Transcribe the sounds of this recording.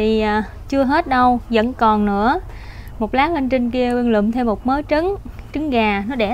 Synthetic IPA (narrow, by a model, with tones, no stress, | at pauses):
iː˨˩˨ | t͡ɕɨ˧əɦe˦˥t̚ɗə˧wzə̰˧˥nkɔ˨˩nːɨ̰˧˥ə | mo˨˩t̚laː˨˦˥hi˧ŋt͡ɕi˧ŋki˧əɓi˧nlɨ̰˧˨mt̪ʰe˧wmːo˨˩t̚məː˨˦jt͡ɕɨ˨˦ŋt͡ɕɨ˨˦ŋɣaː˨˩nɔ˨˦ɗe˧˩